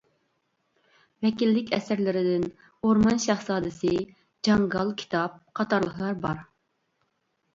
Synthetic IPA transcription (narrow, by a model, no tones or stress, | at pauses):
vɛkʲilːɪkʲʰɛ̰sɪɾlɪɾɪd̪ɪn | oɾmɑnʃɑχsɑːd̪ɨsɨ | d͡ʒɑŋɡɑlˠkʲʰi̥t̪ʰɑp̚qʰɑt̪ɑɾlˠəχlˠɑɾbɑɾ